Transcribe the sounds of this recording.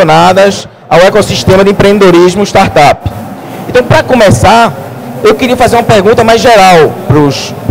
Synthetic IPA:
onad̪ɐs | awɛkosiʃt̪ẽmɐd̪ɪẽpɾẽd̪ed̪oɾizmʊiʃt̪aɾt̪ap | ẽnt̪ɐ̃w̃pɾɐkõmɛsaɾ | ewkɪɾiɐfazeɾũmɐpeɾɡũnt̪ɐmajzʒeɾawpɾʊs

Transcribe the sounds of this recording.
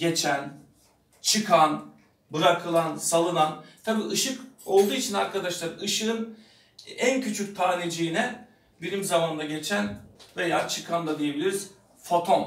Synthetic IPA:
ɟe̞t͡ʃʰæn | t͡ʃʰɯkʰan | bɯɾakʰɯlˠansalˠɯnant̪ʰabiːʔɯʃɯko̞lˠd̪uːit͡ʃʰinaɾkʰad̪aʃlˠaɾɯʃɯɯn | æncʰyt͡ʃʰyc̚t̪ʰaːned͡ʒiinɛ | bilʲimzamand̪aɟe̞t͡ʃʰænve̞jaːt͡ʃʰɯkʰand̪ˠad̪ije̞bilʲiɾiz̥ | fo̞t̪ʰo̞m

